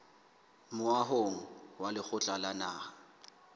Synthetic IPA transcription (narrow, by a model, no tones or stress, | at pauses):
mʊaɦoŋ̩walɪk͡xʰʊt͡ɬʼalanaːha